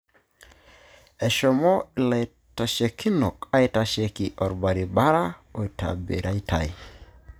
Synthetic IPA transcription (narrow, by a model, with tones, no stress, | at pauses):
ɛ˨ʃɔ˨mɔ˦i˨la˨j | ta˨ʃe˨kʰi˦no˨ka˦i˦ta˨ʃe˨ki˨ʔɔ˨ɾba˨ɾi˨ba˦ɾa˦o˨i˨ta̰˨bḛ˨ɾʔa˦i˦tʰa̰˨i˦